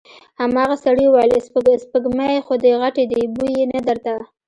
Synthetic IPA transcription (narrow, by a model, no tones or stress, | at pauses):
hamɑɣasaɽiwajlsspəɡmajxod̪əɣaʈed̪ibujenad̪əɾt̪a